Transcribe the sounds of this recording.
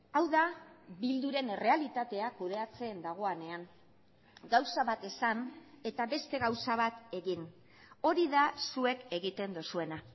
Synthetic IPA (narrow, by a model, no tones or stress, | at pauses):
awðaβild̪uɾe̞ne̞re̞alit̪at̪e̞akuðe̞at͡se̞ːnd̪aɣ̞o̞ane̞aŋ | ɡawsaβat̪e̞sane̞t̪aβe̞st̪e̞ɣawsaβ̞at̪e̞ɣin | o̞ɾiðasue̞ke̞ɣit̪e̞nd̪usue̞na